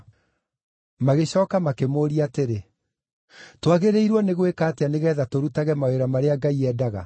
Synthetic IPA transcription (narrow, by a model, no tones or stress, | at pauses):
maɣeɕɔːkamakemoːɾiateɾe | twaɣeɾeiɾwɔneɣwekaːteaneɣɛːðatoɾutaɣɛmaweɾamaɾeaɡaiɛːdaɣa̰